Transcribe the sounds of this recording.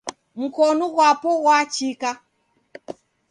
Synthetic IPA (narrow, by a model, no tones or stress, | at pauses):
m̩kɔnɔɣwapɔɣwat͡ʃika